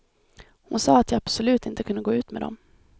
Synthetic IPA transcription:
hʊnsɑːat̪ʰjɑab̥sɔlʉ̟ːt̪ɪnt̪əkʰɵnd̪əɡoːʉ̟ːt̪mḛːd̪ɔ̰m

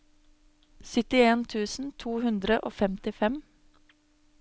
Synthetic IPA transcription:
sʏt̪ɪeːnt̪ʰʉːsn̩t̪ʰuːhʉnd̪ɾəʔoːfɛmt̪ɪfɛm

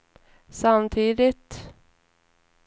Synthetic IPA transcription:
samt̪ʰiːd̪ɪt̪

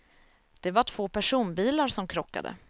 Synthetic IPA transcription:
d̪̥ɛvaʈʰv̥oːpʰæʂuːnbiːlaɾʂɔmkʰɾɔkːa̰d̪ə̰

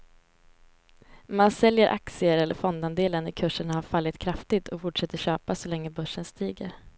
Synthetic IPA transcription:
mansɛljəɾʔa̰ksɪəɾɛlːə̰ɾfɔnd̪and̪eːlənɪkʰɵʂəɳahaɾfalːɪt̪kʰɾaft̪ɪt̪ʰɔfʊʈʂɛt̪ːəɕøːpasɔlɛŋːəbɵʂːənst̪iːɡəɾ

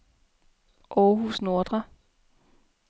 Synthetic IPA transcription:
ʔɒːɦusno̝ɐd̥ʁɐ

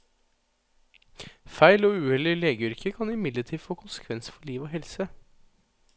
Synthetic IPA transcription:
fæɪloːʉːhɛlɪleːɡəʏɾkʰəkʰɑnɪmɪd̪ləʈʰiːfoːkʰʊnsə̥kʰʋɛnsə̥fɔɭiːʋoːhɛlsə

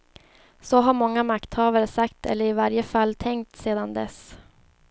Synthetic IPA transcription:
sɔɦaɾmɔŋːamakt̪hɑːvaɾəsakt̪ɛ̰lːəɾɪvaɾjəfalːt̪ʰɛŋkt̪seːd̪and̪ɛ̰s

